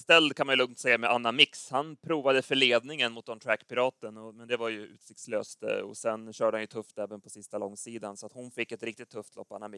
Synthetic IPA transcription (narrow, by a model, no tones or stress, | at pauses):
st̪ɛld̪kʰanmanjɵlɵŋt̪sɛjːamɛʔanːamɪkshanpʰɾuːvad̪əfœɭeːd̪nɪŋənmʊt̪̚d̪ɔmt̪ʰɾækːpɪɾɑːt̪ənɔmɛnd̪ɛvaɾjɵʉ̟ːt̪sɪkt̪slø̰ːst̪ɔ̰sɛnɕœːɖəhanjɵt̪ʰɵft̪ɛːvənpʰɔsɪst̪alɔŋːsiːd̪ansɔat̪hʊnfɪkːɛt̪ɾɪk̚t̪ɪt̪ʰːɵft̪lɔ̰pːa̰nːami